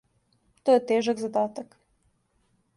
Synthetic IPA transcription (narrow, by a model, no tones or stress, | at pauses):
t̪ojet̪eʒaɡzad̪aːt̪ak